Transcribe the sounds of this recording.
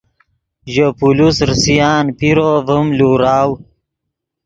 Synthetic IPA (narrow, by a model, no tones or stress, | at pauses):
ʒəpulusɾsijɑːnpiɾovəmluːɾɑːw